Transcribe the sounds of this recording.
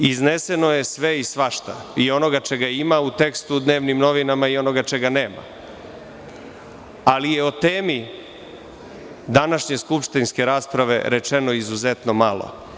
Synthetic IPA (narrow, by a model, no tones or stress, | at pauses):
iznese̞noje̞sʋe̞isʋaʃt̪a̰io̞no̞ɡat͡ʃe̞ɡaimaut̪e̞kst̪ud̪ne̞ːʋnimno̞ʋinamaio̞no̞ɡat͡ʃe̞ɡane̞ːma̰ | alije̞ot̪eːmi | d̪anaʃɲe̞skupʃt̪inske̞ɾaːspɾaʋe̞̰ɾe̞t͡ʃeno̞izuzet̪no̞malo̰